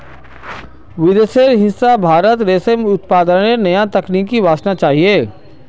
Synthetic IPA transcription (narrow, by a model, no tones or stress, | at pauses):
ʋɪd̪eseɾɦɪsabʱaːɾət̪ɾeːsemʊt̪paːd̪ənenɐjãt̪ɐkniːkːiʋaːsnat͡ʃaːɦieː